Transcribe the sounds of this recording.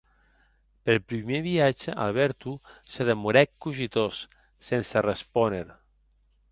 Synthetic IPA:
pelpɾimeβiad͡ʒəʔa̰lˠβɛɾt̪usəðemuɾɛkːuʒit̪osː | ensərəspɔneɾ

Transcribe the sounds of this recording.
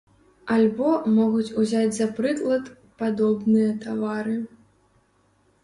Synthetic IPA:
alʲbɔmɔɣut͡sʲuzʲad͡zʲzɐpɾɨklˠɐt̪ | pad̪ɔbnɨjɐt̪avaɾɨ

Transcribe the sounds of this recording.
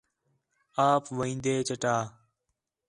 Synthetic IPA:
aːpʋəĩːnd̪eːt͡ʃəʈaː

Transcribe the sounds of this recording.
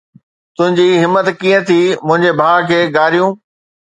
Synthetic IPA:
t̪ʊ̃ɦɪ̃ɲd͡ʑiɦɪmːət̪kiːə̃t̪ʰiːmʊ̃ɦɪ̃ɲd͡ʑebʱaːɭkʰeːɡaːɾijũː

